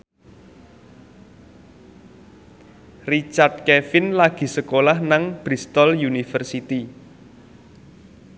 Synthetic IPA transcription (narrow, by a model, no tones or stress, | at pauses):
rit͡ʃard̪̚kɛfɪnlaɡ̥i̤səkolahnaŋb̥ɾist̪ɔljunifərsit̪i